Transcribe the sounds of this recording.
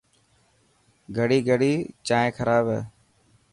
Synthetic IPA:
ɡʱəɽiːɡʱəɽiːt͡ʃaːẽːkʰəɾaːbḛː

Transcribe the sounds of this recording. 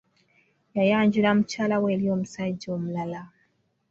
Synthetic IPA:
jajaɲd͡ʒulam̩t͡ʃalaweliom̩sad͡ʒomulala

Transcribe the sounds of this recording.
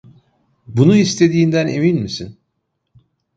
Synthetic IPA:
bunuist̪ʰe̞d̪iːnd̪æne̞minmisin

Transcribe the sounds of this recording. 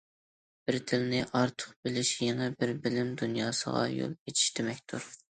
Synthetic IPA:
b̥ɪɾd̪ʰɪlnɪʔɑɾt̪ʰə̥qbɪlɪʃjeŋɨbɪɾbɪlɪmd̪unjɑːsəʁɑ̰jo̰lˠet͡ʃʰi̥ʃd̪ɪmɛkʲt̪ʰuɾ

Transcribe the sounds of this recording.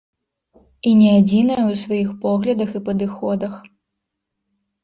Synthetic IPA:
inʲɛad͡zʲinɐjɐwsvajixpɔɣlʲɐd̪ɐxipɐd̪ɨxɔd̪ɐx

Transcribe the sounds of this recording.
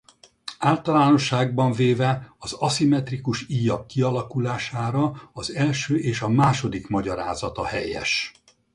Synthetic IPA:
aːlt̪ɒlaːno̞ʃːaːɡ̚bɒɱveːvɛɒzɒsimɛt̪rikuʃiːjɒkːiɒlɒkulaːʃaːɾɒɒzɛlʃøːʔeːʃɒmaːʃo̞d̪ikmɒɟɒɾa̰ːzɒt̪ɒhɛjɛ̰ʃ

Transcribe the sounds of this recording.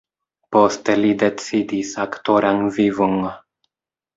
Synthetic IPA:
po̞st̪elid̪e̞t͡sid̪isakt̪oɾaŋvivuŋ

